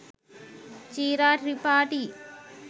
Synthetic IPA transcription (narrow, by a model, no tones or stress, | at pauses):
t͡ʃiːɾaːʈɾipaːʈi